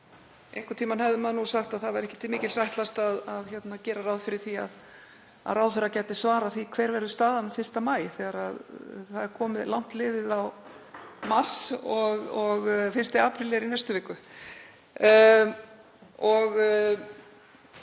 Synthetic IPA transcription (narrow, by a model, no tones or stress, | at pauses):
ejŋkʏɾt̪ʰiːmanhɛvðɪmaðnusaxt̪aðθaðvaɾɛhcɪt̪ʰɪlmɪːcɪlsajht̪last̪aðaðçɛt̪nacɛːɾaɾawðfɪɾɪɾ̥θia̰ð | a̰ðɾawðθɛracɛjt̪ɪsvaːɾaθikʰv̥ɛːɾvɛɾðʏst̪aːðanfɪr̥st̪amaːjθɛɣaɾaðθaðɛɾ̥kʰɔːmɪðlawŋ̥t̪lɪːðɪðaw | mar̥sɔɣɔɣfɪrst̪ɪaːpʰɾilɛɾinɛst̪ʏvɪːkːʏ | ɔɣ